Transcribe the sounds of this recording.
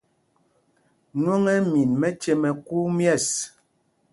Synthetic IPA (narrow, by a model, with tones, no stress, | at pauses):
ɲwo˦ŋɛ˦mi˨nmɛ˦t͡ʃe˦mɛ˨ku˦mjɛ˦˨s